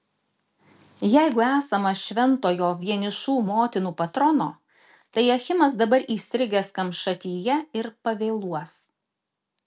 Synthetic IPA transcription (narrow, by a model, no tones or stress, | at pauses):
jɛɪɡʊæːsɐmɐʃʲʋʲɛnt̪oːjoːʋʲiɛnʲɪʃuːmoːt̪ʲɪnuːpɐt̪ɾɔnoː | t̪ɐɪɐxʲɪmɐsd̪ɐbɐɾiːsʲɾʲɪɡʲeskɐmʃɐt̪ʲiːjɛɪɾpɐʋʲeːlˠuɔs